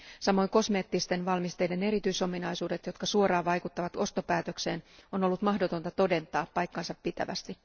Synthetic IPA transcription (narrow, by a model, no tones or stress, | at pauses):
sɑmo̞jŋko̞sme̞ːt̪ːist̪e̞nʋɑlmist̪e̞jde̞ne̞ɾit̪yiso̞minɑjsuːde̞t̪jo̞t̪kɑsuoɾɑːʋɑjkut̪ːɑʋɑt̪o̞st̪o̞pæːt̪ø̞kse̞ːnono̞lːut̪mɑhdo̞t̪o̞nt̪ɑt̪o̞de̞nt̪ˑɑːpːɑjkːɑnsɑpːit̪æ̰ʋæ̰st̪i